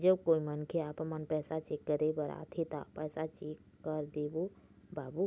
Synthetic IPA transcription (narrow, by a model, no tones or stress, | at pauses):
d͡ʒəbkoːimənkʰeaːpmənpɛːsat͡ʃeːkːəɾebəɾa̰ːt̪ʰet̪a̰pɛːsat͡ʃeːkːəɾd̪eːbo | baːbu